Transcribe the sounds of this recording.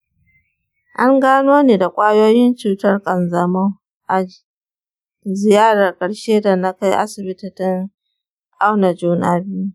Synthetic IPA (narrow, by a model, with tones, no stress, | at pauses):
ʔa˦ŋɡaː˦noː˦neː˨da˨kʷʼaː˦joː˦jɪ˦nt͡ʃuː˨tɐ˦rkʼɐ˨nzɐ˨mɐ˦ŋ | ʔa˨ | zɪ˨jaː˦ɽa˨rkʼɐ˨ɽʃeː˦da˨na˦ka˦jʔa̰˦sɪ˨bɪ˦tɪ˨tɪ˦ŋ | ʔa˦wna˨d͡ʒuː˨naː˦ɾi˦